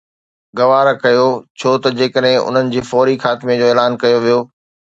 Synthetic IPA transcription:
ɡɐʋaːɾkɐjot͡ɕʰoːt̪ɐd͡ʑeːkəɗɦɪ̃ʔʊ̰n̤ənɪ̆d͡ʑeːfɔːɾixaːt̪ɪmẽd͡ʑoːeːlaːnkɐjoʋijoː

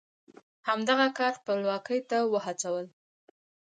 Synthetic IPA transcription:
hamd̪aɣakɑɾpəlwɑkəjt̪awəhat͡sawəl

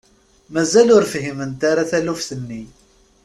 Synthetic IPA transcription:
mæzælʊɾfɦimənt̪aɾaθælufθənːi

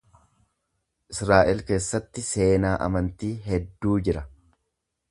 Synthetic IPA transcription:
ʔɪsɾaːʔɪlke̞ːsːɐt̪ːɪse̞ːnaːʔɐ̰mɐnt̪iːɦɛd̪ːuːd͡ʒɪɾɐ

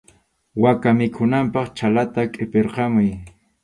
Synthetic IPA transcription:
wakamɪkʰʊnampɑχt͡ʃalat̪akʼɪpeɾqɑmʊj

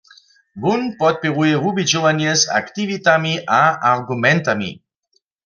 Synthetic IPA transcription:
bunpɔt̪̚peʁueɾubid͡ʒovanjesa̰kt̪ivit̪amiʔaarɡumɛnt̪amḭ

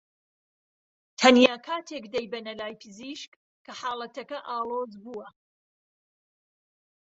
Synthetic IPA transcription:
t̪ʰɐnjaːkʰaːt̪ʰekd̪ɐjbɐnɐlaːjpʰɨziʃk | kʰːɐħaːlˠɐt̪ɐkɐʔaːlˠoːzbuːwɐ

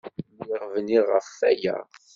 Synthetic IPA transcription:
niʁvniʁəfːæjæ̰

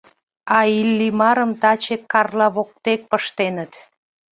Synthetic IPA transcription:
ɑilːimɑɾəmt̪ɑt͡ɕekːɑrlɑβok̚t̪ek̚pəʃt̪enət̪

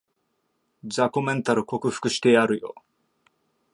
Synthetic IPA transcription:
zakomẽnt̪aɾɯ̟ko̞kɯ̟ɸɯ̥kɯ̟ɕi̥t̪eaɾɯ̟jo̰

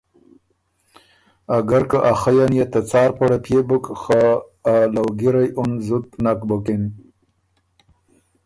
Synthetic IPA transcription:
aɡaɾkəʔaxajanjat̪at͡sɑːɾpaɽapjebukxaː | lawɡiɾajʊnzut̪̚nakbəkin

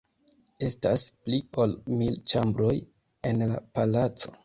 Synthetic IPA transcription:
e̞stasplio̞lmilt͡ʃambɾo̞j | e̞nla̰palat͡so̞̥

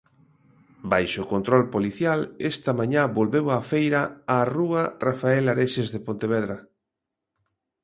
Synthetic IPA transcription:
bajʃokont̪ɾɔlpoliθjalest̪ɐmãɲabolβewafejɾaaruɐrafaelaɾeʃezðepont̪eβ̞ɛðɾɐ

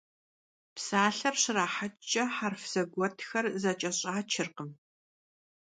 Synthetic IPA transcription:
psaːɬɐrɕɪraːħat͡ʃʼɐħarfz̥ɐɡʷɔtʰxɐrzɐt͡ʃʼɐɕʼaːt͡ʃʰɪrqəm

